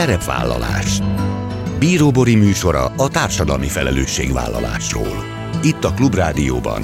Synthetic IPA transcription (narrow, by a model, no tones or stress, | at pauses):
ɛɾɛpʋa̰ːlːɒlaːʃ | biːɾoːbo̞ɾimyːʃo̞ɾɒɒt̪aːrʃɒd̪ɒlmifɛlɛløːʃːeːɡʋa̰ːlːɒlaːʃro̰ːl | it̪ːɒklubraːd̪ijoːbɒ̰n